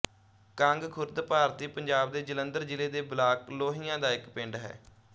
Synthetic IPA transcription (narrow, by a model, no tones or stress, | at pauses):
kãŋɡkʰʊɾd̪paːɾt̪iːpəɲd͡ʒaːbd̪eːd͡ʒələnd̪əɾd͡ʒɪleːd̪eːblaːkloːɦiːjãːd̪aːɪkpẽɳɖɦɛ̰ː